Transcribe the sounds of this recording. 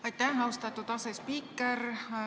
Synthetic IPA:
ɑjt̪ːæɦɑwst̪ɑt̪ːut̪ɑsespikːer

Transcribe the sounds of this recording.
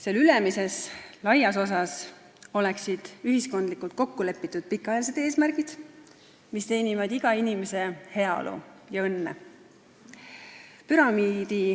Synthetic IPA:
se̞lylemise̞slɑjɑso̞s̬ɑs | o̞leksid̪̥yɦisko̞nd̪likˑult̪̚ko̞kːule̞pːˑit̪ːˑud̪̥̚pikːˑɑjɑls̬e̞d̪e̞ːsmærɡ̥id̪̥ | mist̪e̞ːnivɑd̪iɡ̥ɑinimese̞he̞ɑo̰lʔṵjɑɤnːḛ | pyɾɑmiːd̪̥i

